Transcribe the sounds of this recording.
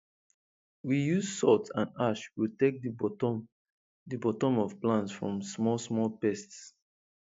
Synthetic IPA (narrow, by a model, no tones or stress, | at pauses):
wijuzsɔtsã̰naʃwiltek̚d | dibɔtɔ̃mɔv̥plãntsfɹɔ̰̃msmɔsmɔlpɛsts